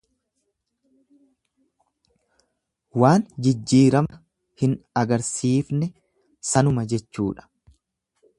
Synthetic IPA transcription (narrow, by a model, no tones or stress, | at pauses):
waːnd͡ʒɪd͡ʒːiːɾɐmɐ | hɪnɐɡɐɾsiːfnɛ | sɐnʊmɐd͡ʒɛt͡ʃːṵːᶑɐ̥